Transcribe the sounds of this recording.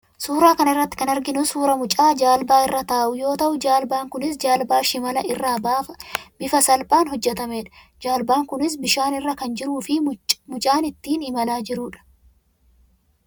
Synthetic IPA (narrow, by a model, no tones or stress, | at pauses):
suːɾaːkɐnɪrːɐt̪ːɪ̥kɐnɐɾɡɪnʊsuːɾɐmʊt͡ʃʼaːd͡ʒaːlbaːɪrːɐt̪aːʔʊjo̞ːt̪ɐʔʊd͡ʒaːlbaːŋkʊnɪsd͡ʒaːlbaːʃɪmɐlɐʔɪrːaːbaːfɐbɪfɐsɐlpʼaːnɦɔd͡ʒːɛt̪ɐme̞ːᶑɐ̥ | d͡ʒaːlbaːŋkʊnɪs̬bɪʃaːnɪrːɐkɐnd͡ʒɪɾuːfɪmʊt͡ʃʼaːnɪt̪ːiːnɪmɐlaːd͡ʒɪɾʊːᶑɐ̥